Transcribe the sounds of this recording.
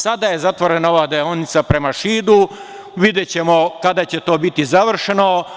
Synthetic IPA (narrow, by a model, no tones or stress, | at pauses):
sad̪aje̞zat̪ʋo̞ɾe̞nao̞ʋaːd̪eonit̪sapɾe̞maʃiːd̪u | ʋid̪jet͡ɕe̞mo̞kad̪at͡ɕe̞t̪o̞ːbit̪izaʋr̩ʃeno̞